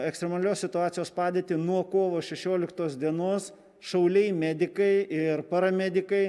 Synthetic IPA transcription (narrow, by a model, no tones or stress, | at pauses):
ɛkst̪ɾʲɛmɑːlʲoːssʲɪt̪ʊɑːt̪sʲɪjoːspɑːd̪ʲeːt̪ʲɪnuɔkoːʋoːʃʲɛʃʲoːlʲɪkt̪oːsd̪ʲiɛnoːs | ʃɐʊlʲɛɪmʲæːd̪ʲɪkɐɪɪɾpɐɾɐmʲɛd̪ʲɪkɐɪ